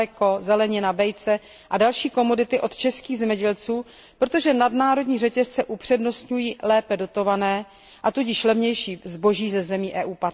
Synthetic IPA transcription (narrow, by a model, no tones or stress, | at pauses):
ɛko̞zɛlɛɲɪnabɛjt͡sɛ | ʔadalʃiːko̞mo̞dɪt̪ɪʔo̞t̪t͡ʃɛskiːɣzɛmɲɛɟɛlt͡suː | pɾot̪o̞ʒɛnadnaːɾo̞dɲiːrɛcɛst͡sɛʔupr̥ɛdno̞st̪ɲujiːlɛːpɛdo̞t̪o̞vanɛː | ʔat̪uɟɪʃlɛvɲɛjʃiːzbo̞ʒiːzɛzɛmiːʔɛːʔuːpa